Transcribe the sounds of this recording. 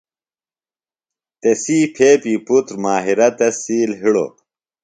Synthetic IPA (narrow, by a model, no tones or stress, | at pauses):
t̪esiːpʰeːpiːput̪ɾmaːɦiɾɐt̪ɐsːiːlɦiɽo̰